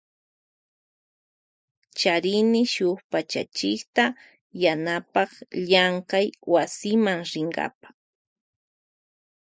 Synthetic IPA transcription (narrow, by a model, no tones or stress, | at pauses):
t͡ʃaɾɪnɪʃʊχpat͡ʃa̰t͡ʃɪkt̪a | janapɑχʎaɴkajwasɪmaŋɾɪŋɢa̰pḁ